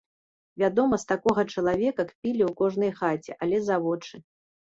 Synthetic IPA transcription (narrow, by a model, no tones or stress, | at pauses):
vʲad̪ɔmɐst̪akɔɣɐt͡ʂɐlˠavʲɛkɐkpʲilʲiwkɔʐnɐjxat͡sʲɛʔalʲɛzavɔt͡ʂɨ